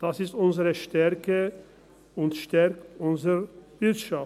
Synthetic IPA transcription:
d̥asɪstʔʊnzəʁəʃtɛʁkʰə | ʊntʃtɛʁkʊnzəv̥ɪtʃaf

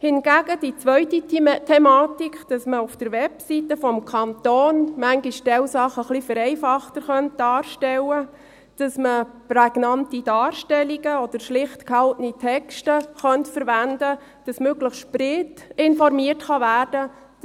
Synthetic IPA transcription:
hɪnɡ̥æɡəd̥it͡sʋœʏtitʰɛmɑːtikʰd̥ɑsməufd̥əɾʋɛpsitəfɔmkʰɑnt̪oːnmæŋɡiʃtɛlsɑχəχlifəɾɛɪfɑχtəɾχœnt̚d̥ɑːɾʃtɛlə | d̥ɑsməpɾɛɡ̥nɑntid̥ɑːrʃtɛliɡəɔd̥əɾʃlɪχtkʰɑltənitʰɛkʃtəχœntfəɾʋændə | d̥ɑsmøɡləχsʃprɪtɪnfɔɾmiərtχɑvæːrd̥ə

